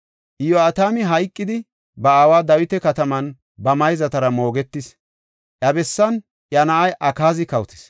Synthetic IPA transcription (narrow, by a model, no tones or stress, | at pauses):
ʔɪjɔaːt̪aːmɪɦɐjkʼːɪd̪ɪ | bɐawaːd̪ɐwɪt̪ɛkɐt̪ɐmɐn | bɐmɐjzɐt̪ɐɾɐmo̞ːɡɛt̪ːɪs | ʔɐbɛsːɐn | ʔjɐnɐʔɐjʔɐkaːzɪkɐwt̪ɪ̥s